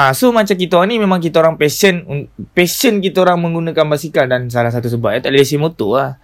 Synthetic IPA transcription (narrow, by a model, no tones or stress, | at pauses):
asumat͡ʃakit̪awanimemaŋkit̪aoɾaŋpesɛnpesɛnkit̪aoɾaŋməŋɡunakanbasikadans̬alahs̬at̪us̬əbaat̪allisimut̪ua